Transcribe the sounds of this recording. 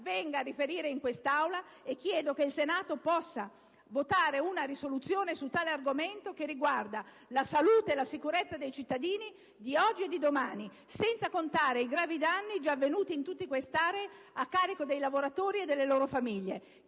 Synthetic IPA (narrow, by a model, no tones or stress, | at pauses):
vɛŋɡaːrːifeɾiːɾeiŋkwest̪awla | ek̟ːjɛːd̪okeilsenaːt̪opɔsːa | vot̪aːɾeunaɾisolut̪sːjoːnesut̪ːaːlearɡoment̪okerːiɡward̪a | lasaluːt̪eːlasikuɾet̪sːad̪ejt͡ʃit̪ːad̪iːni | d̪iɔd͡ʒːied̪id̪omaːni | sɛnt̪sakont̪aːɾeiɡɾaːvid̪anːid͡ʒavːenuːt̪iːnt̪ut̪ːikwest̪aːɾei | akːaːɾikod̪ejlavoɾat̪oːɾied̪ːelːeloːɾofamiʎːe